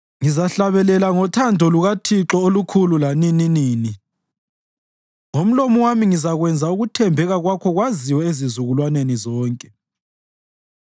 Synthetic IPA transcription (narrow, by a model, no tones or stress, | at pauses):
ŋizaɬaβɛlɛlaŋɔtʰandʱɔluɣatʰiǁɔolukʰululanininiːni | ŋom̩lomɔwamiŋizaɣwɛnd͡zʱauɣutʰɛmbʱɛɣaɣwakʰɔɣwaziwɔezizuɣulwanenizɔːŋkʼɛ